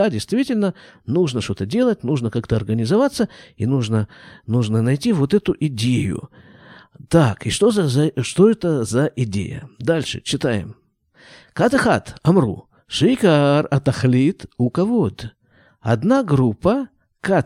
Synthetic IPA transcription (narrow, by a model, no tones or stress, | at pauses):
adʲɪjst̪vʲitʲɪlʲnənuʐnəʂt̪o̞t̪ədʲe̞lˠət̚ʲnuʐnəkakt̪əɐrɡənʲɪzɐvat̪səinuʐnənuʐnənɐjtʲivo̞t̪ɛt̪ʊʔɪdʲejʊ̰ | t̪akɪʂt̪ozzʂt̪o̞ɛt̪əzɐʔɪdʲḛjə̰d̪alʲʂɨ̰t͡ɕɪt̪ajɪ̰m | kat̪ɐxa̰t̪ɐmrṵ | ʂɨjkarɐt̪ɐxlʲit̪ukɐvod̪ | ɐd̪naɡɾupːə | ka